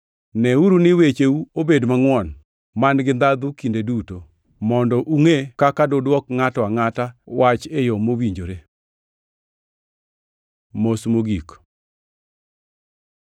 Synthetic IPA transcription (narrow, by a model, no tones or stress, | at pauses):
nɛuɾunɪwet͡ʃeuobedmaŋwɔn | manɡɪnd̪ad̪ukindeduto | mɔndɔʔuŋekakadodwɔkŋatɔaŋatawat͡ʃejɔmowiɲd͡ʒoɾe | mosmoɡik